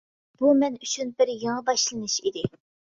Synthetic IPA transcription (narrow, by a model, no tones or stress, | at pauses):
b̥umɛnyt͡ʃʰynbɪɾjeŋɨbɑʃlˠɨnɨʃid̪ɪ